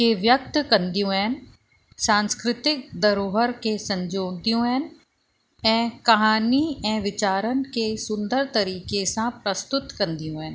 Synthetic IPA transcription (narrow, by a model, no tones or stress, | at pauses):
keʋjək̚t̪kə̃nd̪ijõːɛːn | sãːnskɾɪt̪ɪk̚d̪ɐɾoːɦəɾkesɐ̃ɲd͡ʒoːd̪ijõːɛːn | ɛ̃ːkɐɦaːniɛ̃ːʋɪt͡ʃaːɾənkesʊ̃nd̪əɾt̪ɐɾiːkesãpɾəst̪ʊt̪kɐ̃nd̪ijõːɛːn